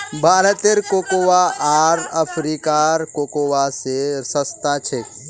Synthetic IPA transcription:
bʱaːlət̪eɾkokowaʔaːɾəpʰɾiːkaɾkokoːwasesəst̪at͡ʃʰe

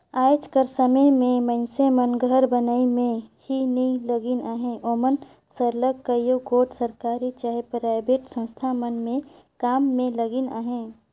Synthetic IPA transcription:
aːd͡ʒkəɾsəməmẽmənsemənɡʱəɾbənaimẽhinəĩləɡinaɦẽʔoːmən | səɾləɡkːəjoɡoːʈsəɾkaːɾit͡ʃaːɦepɾaːɪbeʈsə̃ñst̪ʰamənmẽ | kaːmːẽləɡina̰ːɦẽ

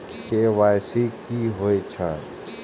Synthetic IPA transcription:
keʋaːjsikiɦoet͡ʃʰa

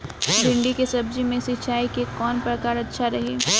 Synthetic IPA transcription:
bɪ̃ɳɖikesɐb̚d͡ʒimẽsɪtːt͡ʃʰaːikekɔːnpɾɐkaːɾɐtːʃʰaɾɐɦeː

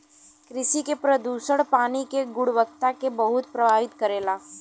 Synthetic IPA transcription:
kɾɪʃikepɾɐd̪uːsəɽpaːnikeɡʊɽʋək̚t̪akebɐɦʊt̪pɾɐbʱaːʋɪt̪kɐɾeːlaː

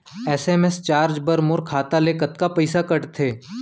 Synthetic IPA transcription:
ɛːseːmest͡ʃaːɾd͡ʒbəɾmoɾkʰaːt̪aleːkət̪kapɐɪsakɐʈt̪ʰeː

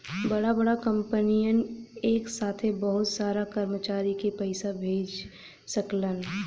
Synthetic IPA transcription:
bɐɽabɐɽakə̃mpənijəneːksaːt̪ʰebəɦʊt̪saːɾakəɾmət͡ʃaːɾikepɛɪsabʱeːd͡ʒ | səklən

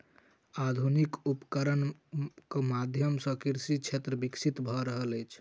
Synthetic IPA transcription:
ad̪ʱunikupkəɾənkemad̪ʱjəmsə̃kiɾsit͡ʃʰet̪ɾəbiksʰit̪bʱɔɾəɦələjt͡ʃʰ

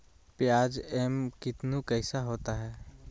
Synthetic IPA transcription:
pjaːd͡ʒɛmkɪt̪nukəɪsaɦoːt̪aɦɛː

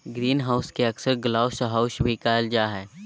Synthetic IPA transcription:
ɡɾiːnɦaʊskeɐksəɾɡlaːʊsəɦaʊʃbʱikaːld͡ʒaːɦɛː

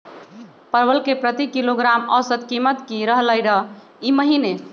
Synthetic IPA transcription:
pəɾbəlkepɾət̪ikiloɡɾaməsət̪kimət̪kiɾəɦləjɾə | iməɦine

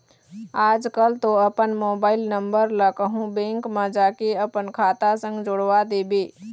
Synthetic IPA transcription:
aːd͡ʒkəlt̪oɐpənmoːbaːɪlnə̃mbəɾləkəɦũbẽːŋkmãd͡ʒaːkeəpənkʰaːt̪asə̃ŋɡd͡ʒoɽʋad̪eːbeː

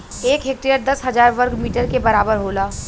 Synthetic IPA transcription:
eːkɦek̚ʈɾijəɾd̪ɐsɦɐzaːɾʋəɾkmiːʈəɾkebɐɾaːbəɾɦoːlaː

